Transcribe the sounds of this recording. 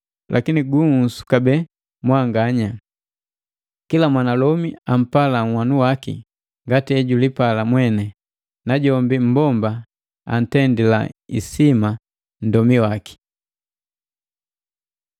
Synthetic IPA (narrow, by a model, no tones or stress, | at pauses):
lʔa̰kiniɡuŋsu̥kabɛ | mwaŋɡaɲa | kilamwanalɔmiam̩palaŋ̩wanuwakḭ | ŋɡatiɛɟulipalamwɛnɛ | naɟɔmbim̩bɔmba | a̰n̩tɛndila̰ḭsima | n̩dɔmiwaki̥